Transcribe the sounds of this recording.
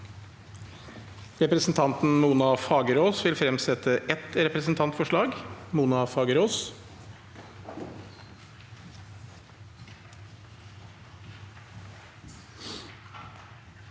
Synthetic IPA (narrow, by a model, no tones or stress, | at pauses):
ɾɛpɾəsn̩t̪ʰɑnt̪n̩muːnɑfɑːɡəɾoːsʋɪlfɾɛmsɛt̪əʔɛt̪ɾɛpɾɛsn̩t̪ʰɑnt̪fɔʂɭɑːɡmuːnɑfɑːɡəɾoːs